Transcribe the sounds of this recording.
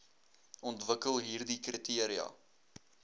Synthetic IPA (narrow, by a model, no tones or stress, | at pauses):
ɔntvəkəlˠɦiːrdikritiəɾiɐ̰